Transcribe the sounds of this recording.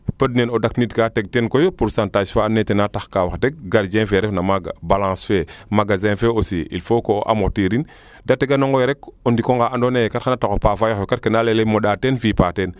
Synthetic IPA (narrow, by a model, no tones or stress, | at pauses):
pədnenodaknitkaːteɡ̚tenkojopuɾsãːntaːd͡ʒfaːnetenataxkawaxtek̚ɡaɾd͡ʒɛ̃nfeɾefnamaɡa̰balãːsfemaɡazɛ̃nfeosiʔḭlfokoʔa̰motiɾin | dateɡanoŋɡoeɾekondikoŋɡaandonejkatxanatakopafajoxokatkenalelemoɗatenfipaten